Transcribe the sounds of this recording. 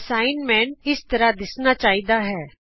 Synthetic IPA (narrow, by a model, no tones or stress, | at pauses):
saːɪnmɛ̃ːnɪst̪əɾad̪ɪsnaːt͡ʃaːiːd̪aːɦɛː